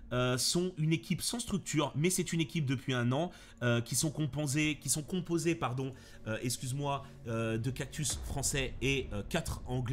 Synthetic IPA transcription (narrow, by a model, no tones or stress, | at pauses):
øsɔ̃ynekʲʰipsɑ̃st̪χyk̚t̪yːʁmɛsɛt̪ynekʲip̚d̪əpɥiɛ̃nɑ̃ | økʲisɔ̃kɔ̃pozekʲisɔ̃kɔ̃pozepaʁd̪ɔ̃ | øɛkskʲyzmwa | ød̪əkak̚t̪ysfχɑ̃sɛeøkat̪χɑ̃ɡlɛ